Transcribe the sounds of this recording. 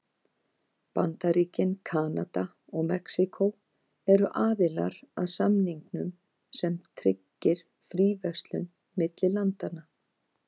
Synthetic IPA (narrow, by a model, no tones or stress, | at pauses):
pa̰nt̪aɾiːcɪnkʰaːnat̪a | ɔɣmɛksikʰow | ɛɾʏʔaːðɪla̰ɾaðsamniŋknʏm | sɛmt̪ʰɾɪ̰cːɪɾ̥ | fɾiːvɛkst̪lʏnː | ɪt̪lɪlant̪ana